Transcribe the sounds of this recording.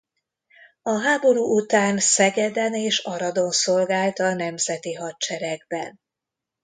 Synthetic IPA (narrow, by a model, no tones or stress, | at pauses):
ɒɦaːbo̞ɾuːʔut̪aːnsɛɡɛd̪ɛneːʃɒɾɒd̪o̞nso̞lɡaːlt̪ɒnɛmzɛt̪iɦɒtt͡ʃɛɾɛɡbɛn